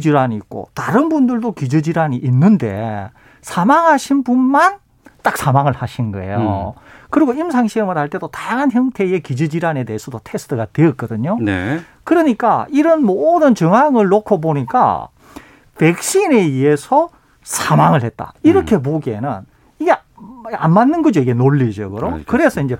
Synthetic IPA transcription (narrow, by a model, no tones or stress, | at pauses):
kid͡ʑiɾaɲiːt̚k͈o̰taɾɯnbundɯɭdokid͡ʑɯd͡ʑiɾaniʔːnːɯnde̞̰ | sʰamaŋɦaɕʰinbunman | t͈ak̚sʰamaŋɯɭhaɕʰinɡʌ̰e̞̰jo̰kɯɾiɡoimsʰaŋɕʰiɾɯmɯɾhaɭt͈e̞dotajaŋɦançjʌŋtʰe̞ekid͡ʑɯd͡ʑiɾane̞deɦːsʰʌdotʰe̞sʰɯ̥tʰɯɡatweʌt̚k͈ʌdɯɲone | kɯɾʌɲik͈a̰ʔiɾʌnmodɯnt͡ɕɯŋɦaŋɯɭːokʰoboɲik͈a̰ | pe̞k̚ɕ͈ine̞ie̞sʰʌ | sʰamaŋɯɭhe̞t̚t͈a̰iɾʌkʰe̞p̬oɡenɯ̰n | iɡe̞ | ammanːɯnɡʌd͡ʑoiɡe̞noɭːid͡ʑʌ̰ɡɯɾokɯɾe̞sʰʌind͡ʑe̞